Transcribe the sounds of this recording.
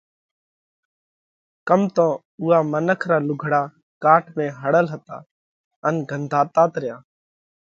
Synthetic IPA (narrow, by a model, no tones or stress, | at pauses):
kəmt̪õː | ʊːaːmənəkʰɾaːlʊɡʱɽaː | kaːʈmẽːɦəɽəlɦət̪a̰ː | ənɡʱənd̪ʱaːt̪aːt̪ɾɪjaː